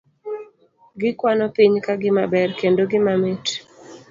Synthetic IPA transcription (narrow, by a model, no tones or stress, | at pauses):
ɡɪkwanɔpiɲkaɡɪmabɛrkendoɡɪmamet